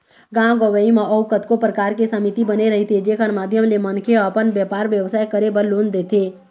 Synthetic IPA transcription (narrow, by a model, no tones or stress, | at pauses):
ɡãːɡəʋəimãʔɔʊkət̪kopɾəkaːɾkesəmit̪ibəneɾəɦit̪ʰed͡ʒeːkʰənmaːd̪ʱjəmlemənkʰeəpənʋjəpaːɾʋjəʋsaːjkəɾebəɾloːnd̪eːt̪ʰeː